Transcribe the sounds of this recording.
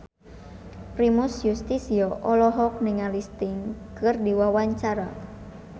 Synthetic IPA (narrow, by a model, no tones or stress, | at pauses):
pɾimʊsjust̪isiɔʔɔlɔɦɔk̚nɪŋalist̪ɪŋkɨrdiwawaɲt͡ʃaɾa